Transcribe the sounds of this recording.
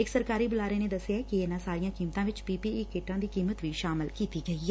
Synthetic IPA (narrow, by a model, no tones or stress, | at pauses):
ɪksəɾkaːɾiːbʊlaːɾeːned̪əsːɪjaːkiɪnãsaːɾijãːkiːmt̪ãːʋɪt͡ʃpiːpieːkeːʈãːd̪iːkiːmət̪ʋiʃaːmɪlkiːt̪iːɡəiː